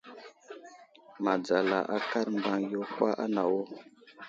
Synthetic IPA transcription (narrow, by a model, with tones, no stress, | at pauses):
ma˨d͡za˨la˨ʔa˦ka˦ɾmba˦ŋjo˦kwa˦ʔa̰˦na˨wo˦